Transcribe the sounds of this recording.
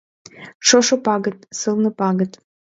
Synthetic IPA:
ʃoʃŏpɑɣət̪̚sɨlnə̆pɑɣə̆t̪

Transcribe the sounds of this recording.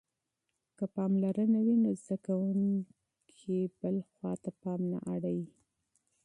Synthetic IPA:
kəpɑmlaɾənawinozd̪akawuŋ | kʰibəlxwɑt̪apɑmna̰ʔaɽawi

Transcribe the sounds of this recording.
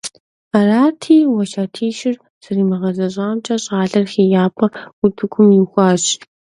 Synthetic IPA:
araːtʰiːwɐʃaːtʰiːʃɪr | z̥ɐriːmɐʁɐzɐɕʼaːmt͡ʃʼɐɕʼaːɮɐrxiːjaːpʰʼɐʊtʰɨkʷʰʊmjɪxʷɑːɕ

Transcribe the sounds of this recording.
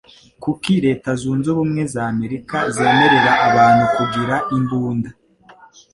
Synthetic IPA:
kukiɾe̞ːtazuːnzuβumŋe̞zaːme̞ɾikaze̞ːme̞ɾe̞ɾaʔaβaːnhukuɡiɾaʔimbuːnda

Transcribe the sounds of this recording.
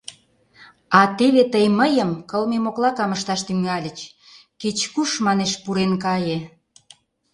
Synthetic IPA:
ɑt̪eβet̪əjməjəmkəlmemoklɑkɑməʃt̪ɑʃt̪yŋɑlʲə̆t͡ɕ | ket͡ɕkuʃmɑneʃpuɾenkɑje

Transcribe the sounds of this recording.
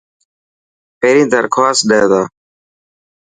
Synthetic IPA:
peːɾĩːd̪əɾkʰaːst̪̚ɗ̪eːd̪aː

